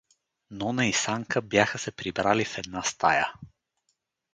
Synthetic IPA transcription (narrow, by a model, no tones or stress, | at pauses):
nɔnəisaŋkəbjaxəsɛpɾibɾalifɛd̪nast̪ʰa̰jə̰